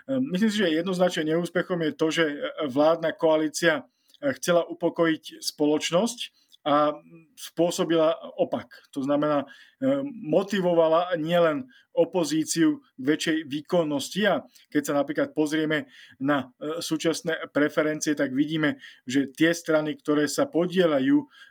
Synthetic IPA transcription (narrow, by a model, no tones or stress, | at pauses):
mis̬liːms̬iʒɛjɛd̪nɔznat͡ʃnɛɲɛuːspɛxɔmjɛt̪ɔʒɛʋlaːd̪nakɔaliːt͡sia | xt͡sɛlaʔupɔkɔjicspɔlɔt͡ʃnɔsc | a | spʊɔsɔbilaɔpakt̪ɔznamɛnaː | mɔt̪iʋɔʋalaɲɪɛlɛn | ɔpɔziːt͡siuɡʋɛt͡ʃɛjʋiːkɔnːɔscia | kɛcsanapɾiːklat̪̚pɔzɾɪɛmɛnasuːt͡ʃasnɛːpɾɛfɛɾɛnt͡siɛt̪aɡʋiɟiːmɛʒɛt̪ɪɛst̪ɾanikt̪ɔɾɛːsapɔɟɪɛʎajuː